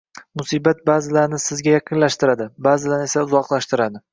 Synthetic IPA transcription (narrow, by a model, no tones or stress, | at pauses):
mʊsiːbat̪̚baːzɪlaɾnɪsɪzɡʲajɑqʰɨnlaʃt̪ɪɾad̪ɪbaːzɪlaɾnɪe̞saʊzɒqlˠaʃt̪ɪɾad̪ɪ